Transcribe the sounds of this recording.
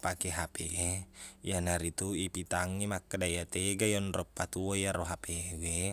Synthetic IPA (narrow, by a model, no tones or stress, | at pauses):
pakeɦapeejanaɾit̪uipit̪aŋːimakːadajat̪eɡajɔnrɔpːat̪uoijaɾoɦapewe